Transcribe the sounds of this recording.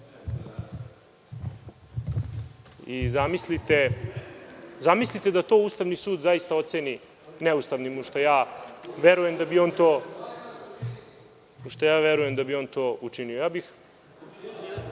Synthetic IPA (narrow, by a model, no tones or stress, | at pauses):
izamislit̪e | zamislit̪e̞d̪at̪o̞ːuːst̪aʋnisuːd̪zajist̪aot̪seni | neust̪aʋnimuʃt̪ojaːʋeɾuje̞md̪abioːnt̪oː | uʃt̪ojaːʋeɾuje̞md̪abio̞ːnt̪o̞ːut͡ʂiniojaːbix